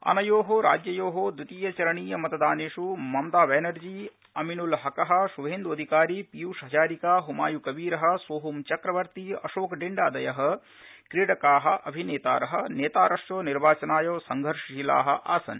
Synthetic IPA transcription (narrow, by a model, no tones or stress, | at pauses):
ɐ̰nɐjoːɦoɾa̰ːd͡ʒjɐjoːɦoːd̪ut̪iːjɐt͡ʃɐɾɐɳiːjɐmɐt̪ɐd̪aːneːʂumɐmd̪aːʋeːnɐɾd͡ʒiː | ɐminulɦɐkɐɦɐ̆ʃuʋɦeːnd̪uɐd̪ʱikaːɾiːpijuːʂɦɐt͡ʃaːɾikaːɦuma̰ːjukɐbiːɾɐɦɐ̆sʋoːɦumt͡ʃɐkɾɐʋɐɾt̪iɐʃoːkɖiɳɖaːd̪ɐjɐɦɐ̆ | kɾiːɽɐkaːɦɐ̆ʔɐbʱineːt̪a̰ːɾɐɦɐ̆neːt̪aːɾɐʂjoːniɾbaːt͡ʃɐnaːjoːsɐŋɡʱɐɾʂila̰ːɦɐ̆ʔa̰ːsɐ̰n